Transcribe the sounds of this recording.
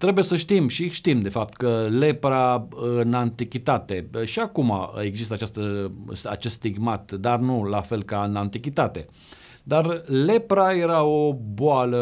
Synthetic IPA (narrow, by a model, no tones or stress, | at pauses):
t̪ɾe̞buje̞səʃt̪imʃiʃt̪imd̪e̞fap̚t̪kəle̞pɾaɨnant̪ikʲit̪at̪e̞ʃiakuma̰e̞ɡzist̪əat͡ʃast̪əsa̰t͡ʃe̞st̪t̪iɡmat̪d̪arnulafe̞lkaɨnant̪ikʲit̪at̪e̞ | d̪arle̞pɾaje̞ɾao̞boalə